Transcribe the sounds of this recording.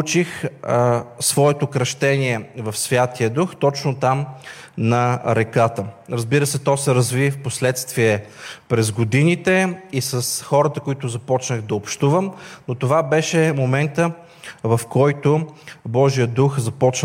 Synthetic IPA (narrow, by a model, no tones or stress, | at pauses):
t͡ʃix | svɔɛt̪okɾɐʃt̪ɛniɛvɐfsvʲjat̪ijəd̪uxt̪ɔt͡ʃnot̪am | nɐɾɛkat̪əɾɐzbiɾəsɛt̪ɔsɛɾɐzvifposlɛt̪st̪viɛpɾɛzɡod̪init̪ɛisəsxɔɾət̪əkoit̪ʊzɐpɔt͡ʃnəɣd̪ɐopʃt̪uvəmnot̪ovabɛʃɛmomɛnt̪ə | vɐfkɔjt̪ʊbɔʒijəd̪uxzɐpɔt͡ʃ